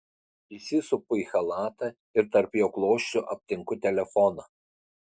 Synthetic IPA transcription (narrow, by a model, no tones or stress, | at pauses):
isʲɪsʊpʊiˑxɐlˠɑːt̪ɐ | ɪɾt̪ɐɾpjoːklˠoːʃʲt͡ʃʲʊʔɐpʲt̪ʲɪŋkʊt̪ʲɛlʲɛfɔnɐ